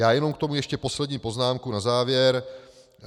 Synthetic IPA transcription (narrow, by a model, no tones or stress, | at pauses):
jaːjɛno̞mkt̪o̞mujɛʃcɛpo̞slɛdɲiːpo̞znaːmkunazaːvjɛɾ